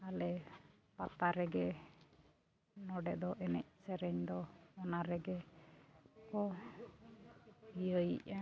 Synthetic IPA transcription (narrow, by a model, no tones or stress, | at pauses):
alɛ | pat̪aɾɛɡɛ | nɔɖɛd̪ɔʔɛnɛc̚ˀsɛɾɛɲd̪ɔɔnaɾɛɡɛ | kɔ | bijəjḭʔa